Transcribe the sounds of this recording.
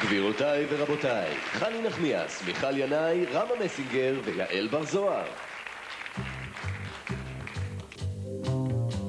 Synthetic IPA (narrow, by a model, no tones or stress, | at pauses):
ɡ̥viʁotajveʁabo̞tajχaninaχmia̰smiχaljanajʁamamesiŋɡeʁveja̰ʔelbaʁzoaʁ